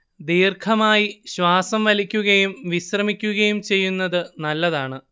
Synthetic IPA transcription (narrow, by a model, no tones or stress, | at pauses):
d̪iːrkʰɐmaːjiɕʋaːsɐmʋɐlikʲːuɣɐjumʋiɕrɐmikʲːuɣɐjumt͡ɕe̞jːunːɐðɨnɐlːɐðaːɳɨ